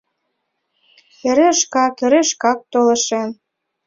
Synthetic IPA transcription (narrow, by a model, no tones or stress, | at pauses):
eɾeʃkɑkeɾeʃkɑk̚t̪olə̆ʃem